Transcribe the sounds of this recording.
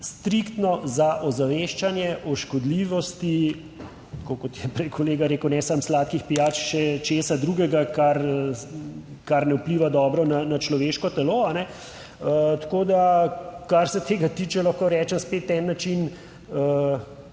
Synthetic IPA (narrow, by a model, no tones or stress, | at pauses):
st̪ɾikt̪nɔzaʔɔzaʋeːʃt͡ʃanjɛʔɔʃkɔd̪liʋɔst̪i | t̪kokɔt̪jɛpɾɛjkʰoleːɡaɾeːkwnɛsamslaːt̪kixpijaːt͡ʃʃɛt͡ʃeːsad̪ɾuɡɛɡakaɾ | kaɾnɛupliːʋad̪ɔːbɾɔnanat͡ʃlɔʋeːʃkɔt̪ɛloːanɛ | ət̪koːd̪akaɾsɛt̪ʰeːɡat̪iːt͡ʃɛlaxkoɾɛːt͡ʃɛmspet̪nɛnːat͡ʃin | ə